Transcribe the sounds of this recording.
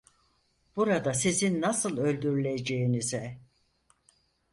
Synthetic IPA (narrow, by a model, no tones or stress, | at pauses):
b̥uɾad̪asizinːasɯlˠø̞lʲd̪yɾylʲed͡ʒe̞jinizɛ